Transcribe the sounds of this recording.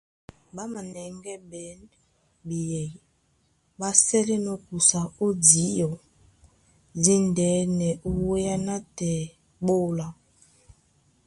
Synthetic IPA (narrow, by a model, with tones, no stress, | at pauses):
ba˦ma˨nɛ˨ŋɡɛ˦bɛ˨˦n | bi˨jɛ˨ | ba˦sɛ˦lɛ˦nɔ˨ku˨sa˨o˦di˨˦jɔ˨ | di˦ndɛ˨˦nɛ˨ʔu˦we˦ja˦na˦tɛ˨ | ɓo˦la˨